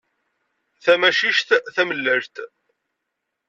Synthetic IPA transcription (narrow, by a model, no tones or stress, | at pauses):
θæmæʃiʃt̪θæməlːæʒt̪